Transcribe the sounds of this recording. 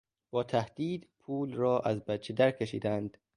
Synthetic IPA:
b̥ɒːt̪ʰæhd̪̥iːd̪pʰuːlrɒːʔæzbæt̪̚t͡ʃʰed̪æɾkʰeʃḭːd̪ænd̪̥

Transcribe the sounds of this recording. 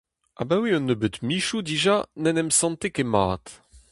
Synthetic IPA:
a̰bawiɔ̃nːøbøt̪miʃud̪iʒanɛnɛmsɑ̃nt̪ekemaːt̪

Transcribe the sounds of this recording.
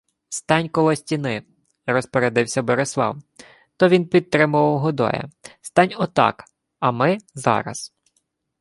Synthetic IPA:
st̪ɑnʲkɔlˠɔsʲtʲinɪ | rɔspɔɾed̪ɪwsʲɐbɔɾeslˠɑ̰w | t̪ɔʋʲinpʲid̪̚t̪ɾɪmʊʋɐwɦɔd̪ɔ̰jɐ̰st̪ɑnʲɔt̪ɑ̰k | ɐmɪzɑ̰ɾɐ̰s

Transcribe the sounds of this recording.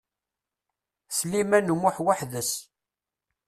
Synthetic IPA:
slimænəmʊħwaħðəs

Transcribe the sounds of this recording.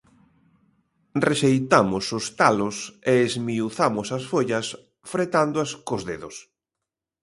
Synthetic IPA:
reʃejt̪amʊsʊst̪alʊseːzmiuθamʊsɐsfoʎɐs | fɾet̪and̪oɐskozðeðʊs

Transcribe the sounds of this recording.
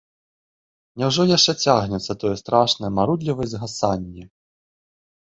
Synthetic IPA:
nʲɛwʐɔjaʂt͡ʂɛt͡sʲaɣnʲɛt̪sːɐt̪ɔjɛst̪ɾaʂnɐjɛmaɾud̪lʲivɐjzɣasanʲːi

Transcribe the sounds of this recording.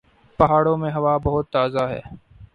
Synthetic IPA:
pɐɦaːɽõːmẽɦɐʋaːbɐɦʊt̪ːaːzaɦɛ̰ː

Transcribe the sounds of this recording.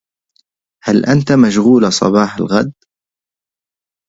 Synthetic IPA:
halʔant̪amaʃɣuːlasˤɑ̰bɑːħalɣad̪

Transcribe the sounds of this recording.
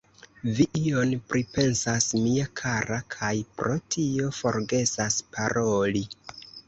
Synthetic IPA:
viʔio̞npɾʔipe̞nsasmiakʰaɾakʰajpɾo̞tʰio̞fo̞ɾɡe̞saspaɾo̞li

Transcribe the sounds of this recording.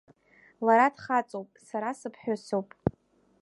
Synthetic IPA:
laɾadχat͡sʼowpʼsaɾasɨpʰħᶣosowpʼ

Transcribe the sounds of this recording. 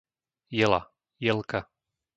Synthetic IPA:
jɛla̰ | jɛlka

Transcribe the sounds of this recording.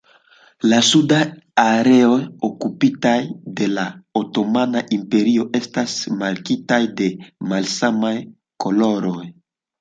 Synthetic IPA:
lasud̪a | aɾeojokupit̪ajd̪elaot̪omanaʔimpeɾioʔest̪asmaɾkit̪ajd̪emalsamaj | koloɾoj

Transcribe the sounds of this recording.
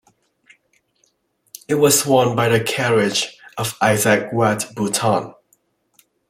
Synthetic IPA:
ɪt̚wɒz̥wɔnbaɪðəkʰɛɹɪd͡ʒəvaɪzək̚watb̥utʰɑ̃n

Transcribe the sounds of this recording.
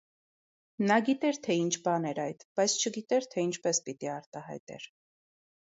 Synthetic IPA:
nɑɡit̪ɛɾt̪ʰɛint͡ʃʰbɑnɛɾɑjt̪b̥ɑjt͡sʰt͡ʃʰəɡit̪ɛɾt̪ʰɛint͡ʃʰpɛspit̪iɑɾt̪ɑhɑ̰jt̪ɛ̰ɾ

